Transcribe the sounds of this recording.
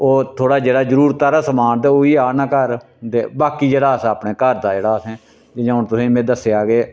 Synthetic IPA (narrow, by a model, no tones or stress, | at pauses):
oːt̪ʰoːɽaːd͡ʒeːɽaːzəɾuːɾt̪aɾaːsəmaːnt̪eːoːiːaːnãːkəɾ | t̪eːbaːkiːd͡ʒeːɽaːəsaːpɳeːkəɾd̪aːd͡ʒeːɽaːsɛ̃ː | d͡ʒed͡ʒəʊnt̪ʊsĩːmẽːd̪əsːeːaːɡeː